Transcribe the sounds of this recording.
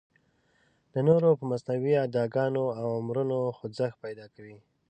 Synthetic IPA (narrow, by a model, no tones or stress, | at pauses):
d̪ənoɾopəmasnawiad̪ɑɡɑnoawamɾunoxʊzaxpajd̪ɑkawi